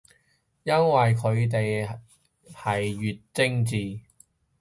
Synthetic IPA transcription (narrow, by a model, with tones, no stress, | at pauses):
jɐ˥nwɐ˨jkʰɵ˨˧ɥt̪̬e˨j | hɐ˨jːyː˨t̚t͡sɪ˥ŋt͡siː˨